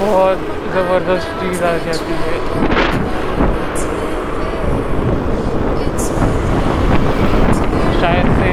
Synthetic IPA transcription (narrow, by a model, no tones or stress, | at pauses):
bɔɔt̪ | zɐbəɾd̪əst̪t͡ʃiːzaːd͡ʒaːt̪iɦɛ | ʃaːjəd̪se